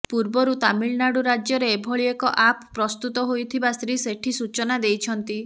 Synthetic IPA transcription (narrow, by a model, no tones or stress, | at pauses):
puɾbɔɾut̪amiɭnaɽuɾad͡ʒjɔɾeːbʱɔɭiekɔʔapʰpɾɔst̪ut̪ɔɦojt̪ʰibast̪ɾiseʈʰisut͡ʃɔnad̪ejt͡ʃʰɔnt̪i